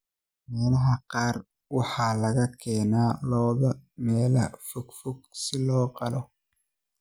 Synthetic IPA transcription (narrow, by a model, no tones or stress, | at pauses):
mɛːlɐɦɐqɑːr | wɑħɑːlɐɣɐkʰɛːnaːlɔːðɐmɛːlɐfʊɡfʊɡ̚sɪlɔːqɑlɔ